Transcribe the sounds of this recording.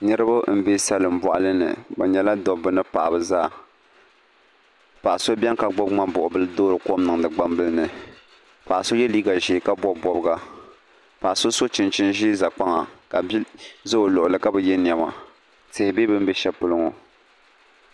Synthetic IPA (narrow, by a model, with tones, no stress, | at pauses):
nɨ˦ɾɨ˦ba˦m̩˨˦be˦sa˦lɨ˨m̩˨bɔ˨ʔa̰˨lɨ˦nɨ̰˨bɛ˨ɲɛ˨la˦dɔ˨bɨ˦nɨ˦pa˨ʔa˨bɨ˨zaː˦˨ | pa˨ʔa˨so˦bʲɛ˦ŋka˨ɡ͡bʊ˦bŋ͡ma˦bʊ˨ʔʊ˨bɨ˦lɨ˦doː˦ɾɨ˨ko˦mnɨ˨ŋ˨dɨ˨ɡ͡ba˦m˦bɨ˦lɨ˦nɨ˨ | pa˨ʔso˦jɛ˦liː˦ɡa˨ʒɪ˨ka˦bɔ˦bɔ˦bɨ˦ɡa˦ | pa˨ʔa˨so˦so˦t͡ʃɪ˨nt͡ʃɪ˦nʒi˦za˨k͡pa˦ŋa˨ka˨bzɨ˦o˨lʊ˨ʔʊ˨lɨ˨ka˦bɛ˨jɛ˦n˨ɛ˨ma̰˨ | tɪ˨hɪ˨be˦bɨ˦m˦bɛ˦ʃɛ˦pʊ˦lɨ˦ŋo˨